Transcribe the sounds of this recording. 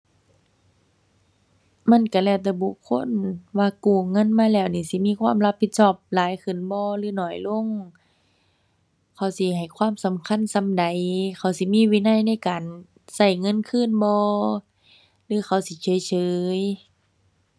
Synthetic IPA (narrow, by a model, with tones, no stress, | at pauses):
ma˧˥˨nka˧˩lɛː˧˩wt̪̬ɛː˧˩bu˧˨kʰːo˧˥˨nwaː˧kuː˧˩ŋɤ˧˥˨nmaː˧˨lɛː˧˩wniː˧˩˨si˧˦miː˧˥˨kʰwaː˧˥˨mla˦˧pʰːi˧t̪̚sɔː˧˩p̚laː˨˦jkʰɯ˧˩˨nbɔː˧lɯː˧˨nɔː˧˩jlo˧˨ŋ | kʰa˧˩wsi˧˦ɦa˨˩jkʰwaː˧˥˨msa˨˦mkʰa˧˥˨nsa˧˦mda˨jkʰa˧˩wsi˧˦miː˧˥˨wiː˧˨na˧˥˨jna˧˥˨jkaː˨n | sa˧˩jŋɤ˧˥˨nkʰɯː˧˥˨nbɔː˧ | lɯː˧˥˦xʰa˧˩wsi˧˦t͡ɕʰɤː˨˧˦jt͡ɕʰɤː˨˦j